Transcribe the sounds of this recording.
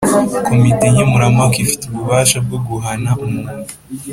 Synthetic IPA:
komiteɲemuɾamakifi̥teuβuβaːʃab̚ɡoɡuɦanaumuːnu

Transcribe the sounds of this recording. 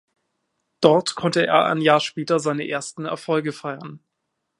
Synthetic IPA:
d̥ɔɐtkʰɔntəʔḛːɐʔa̰njaːɐʃpɛːtɐzaɪnəʔeːɐstn̩ɛ̰ɐfɔlɡəfaɪɐn

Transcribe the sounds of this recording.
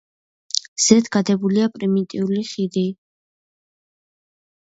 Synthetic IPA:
z̥ɛd̪ʰɡad̪ɛbuliapʼɾimit̪ʼiuliχid̪i

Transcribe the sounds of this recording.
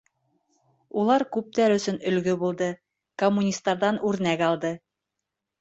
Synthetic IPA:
ulˠɑɾkʉp̚t̪æɾɵ̆sɵnɵ̆lɡɵbulˠd̪ɤ | komːunʲist̪ːɑɾðɑnʉɾnækɑlˠd̪ɤ

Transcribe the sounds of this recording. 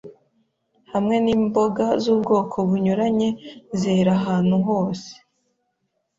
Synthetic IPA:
hamŋe̞niːmboɡazuːbɡo̞ːkʰo̞βuɲuɾaɲe̞zeɾaɦaːn̥huɦo̞ːse̥

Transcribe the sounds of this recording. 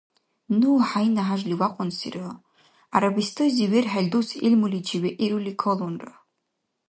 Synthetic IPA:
nuħajnaɦaʒliwaqʷʼʊnsḭrɨ | aɾabistʰɨziɥerħalʲdusilmulid͡ʒiɥeʔiɾulikʰolonra

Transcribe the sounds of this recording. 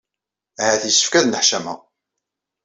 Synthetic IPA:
hæθisə̥fkæðnəħʃæmæ̰

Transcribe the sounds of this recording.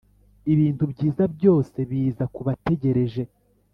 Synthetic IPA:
iβiːntubɟiːzabjo̞ːse̞βiːzakuβate̞ɟe̞ɾe̞ʒe̞

